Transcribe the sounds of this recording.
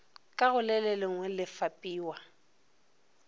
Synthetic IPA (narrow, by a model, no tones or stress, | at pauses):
kʼaɣʊlɛlɛlɪŋwɛlɪfapʼiːwa